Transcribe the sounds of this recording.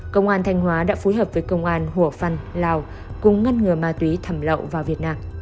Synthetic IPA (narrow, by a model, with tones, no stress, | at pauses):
kə˧wŋ͡mʔaː˧nt̪ʰa˧jŋ̟hwaː˨˦ɗa̰ː˧˥fo˨˦jɦəː˨˩p̚vəː˨˦jkə˧wŋ͡mʔaː˧nhu˧˩əfa˧˩nlaː˧˩w | kʊ˨˧˩ŋ͡mŋə˧nŋɨ˨˩əmaː˨˧˩t̪wi˨˦t̪ʰə˧˩mlə̰˧˨wvaː˨˩wvi˨˩ət̚naː˧m